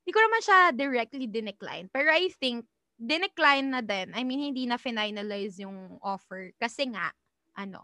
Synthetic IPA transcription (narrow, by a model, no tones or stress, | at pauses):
d̪iːkonɐmanʃad̪ɪɹɛk̚t̪lid̪ɪnɛkla̰jnpɛɹoʔajθɪŋk̚ | d̪ɪnɛklajnːɐd̪ɛnɐjmĩnhɪnd̪iːnɐfɪnajnɐlajzjʊŋʔofɛɹkɐsɛŋa̰ʔ | ʔɐno̰